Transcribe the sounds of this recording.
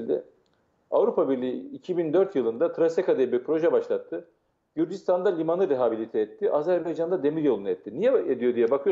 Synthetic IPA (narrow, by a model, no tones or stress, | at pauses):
d̪ɛ̰ | avɾupabiɾlʲiiːcʰibind̪ø̞ɾt̪jɯlˠɯnd̪at̪ʰɾasekad̪eibipʰɾo̞ʒɛbaʃlˠat̪ʰːɯ | ɟyɾd͡ʒist̪ʰand̪alʲimanɯɾeɦabilʲit̪ʰɛːt̪ʰːiʔazæɾbajd͡ʒand̪ad̪e̞miɾjo̞lˠunɯɛt̪ʰːinijɛed̪ijo̞d̪ijɛbakʰɯjo